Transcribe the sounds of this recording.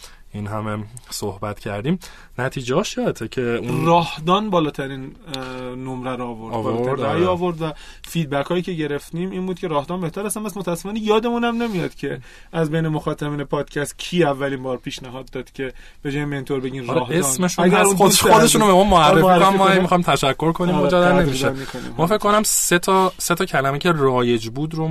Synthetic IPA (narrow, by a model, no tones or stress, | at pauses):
inɦæmesohbæt̪cʰæɾd̪iːm | næt̪ʰiːd͡ʒehɒːʃɒt̪ʰecʰerɒːhd̪ɒːnbɒːlɒːt̪ʰæɾiːnː | omɾæɾɒːvo̞ɾɒːlːʰɾd̪æjiɒːvo̞ɾd̪væfiːd̪̚bækʰɒːjiːcʰe̞ɟe̞ɾe̞ft̪iːmiːnbuːd̪̚cʰe̞ɾɒːhd̪ɒːnbe̞ht̪æɾæst̪ænmæsmot̪ʰææsːe̥fɒːnejɒːd̪e̞munæmnemijɒd̪̥cʰe̞ | ʔæzbe̞jnemoxɒːt̪ʰæbiːnepʰɒːd̪̥cʰæst̪̚cʰiːævːæliːmbɒːɾpʰiːʃnæɦɒːd̪ːɒːd̪̥cʲʰe̞ | b̥e̞d͡ʒɒːjimbeint̪ʰoɾbe̞ɟiːnɾlɛːhesmeʃuæɡæɾunoxod̪eʃunobemumoæɾeekmmːɒæmixɒjimt̪ʰæʃækʰːo̞ɾkʰonimɔd͡ʒɒd̪æɾnemiʃemikʰonḭmmɒːfe̞cʰːkonæmset̪ʰɒset̪ʰɒːcʰælæmecʰerɒːje̞d͡ʒbuːd̪ɾo